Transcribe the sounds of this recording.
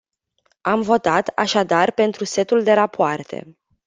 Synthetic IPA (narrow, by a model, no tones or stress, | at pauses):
amvo̞t̪at̪a̰ʃad̪arpe̞nt̪ɾuse̞t̪uld̪e̞ɾapoart̪ʰe̞̰